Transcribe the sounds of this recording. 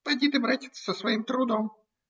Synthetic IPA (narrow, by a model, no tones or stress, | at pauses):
pɐdʲit̪ɪbɾatʲɪsɐsʋɐjimt̪ɾʊd̪ɔm